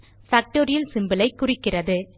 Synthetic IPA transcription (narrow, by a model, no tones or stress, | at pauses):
fɐk̚ʈoːɾɪjɐlsɪmbɪlɐɪkːʊrɪkːɪrɐðɯ